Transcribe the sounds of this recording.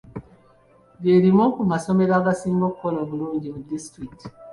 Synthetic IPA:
ɡeɾimokumaso̞me̞ɾaːɡasiːmɡokukolo̞ːβuluːɲɟimudistɾikti̥

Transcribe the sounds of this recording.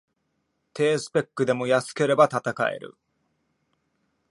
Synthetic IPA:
t̪ʰe̞ːsɨ̥pe̞kːɯ̟d̪e̞mo̞jasɨ̥ke̞ɾe̞bat̪at̪aka̰ḛɾɯ̰

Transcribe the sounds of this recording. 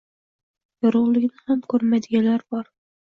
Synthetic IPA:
jɒɾʊʁlˠɪɡʲnɪhamkʰɵɾmad̪ɪɡʲalaɾbɒɾ

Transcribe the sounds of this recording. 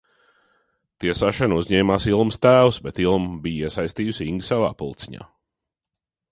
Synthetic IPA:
t̪iɛsaʃanuzɲɛːmaːsilˠmst̪æːwsbɛt̪ilˠmbiːiɛsajst̪iːjusiŋɡsava̰ːpulˠt̪siɲa̰ː

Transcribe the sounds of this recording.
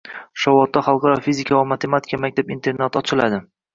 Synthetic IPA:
ʃɒwɒt̪ːaχɑlˠqɑɾɒfizɪkʰavamat̪ʰe̞mat̪ʰɪikamak̚ʲt̪ʰapint̪ʰe̞ɾnat̪ɒt͡ʃʰɪlad̪ɪ

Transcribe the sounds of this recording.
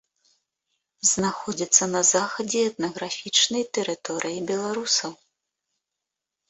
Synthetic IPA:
znaxɔd͡zʲit̪sːɐnɐzaxɐd͡zʲɛɛt̪̚nɐɣɾafʲit͡ʂnɐjt̪ɛɾɨt̪ɔɾʔɨjibʲɛlˠaɾusɐw

